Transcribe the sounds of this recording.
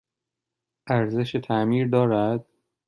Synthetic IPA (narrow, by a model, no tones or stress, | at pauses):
ʔæɾze̞ʃet̪ʰæmiːɾd̪ɒːɾæd̪̥̚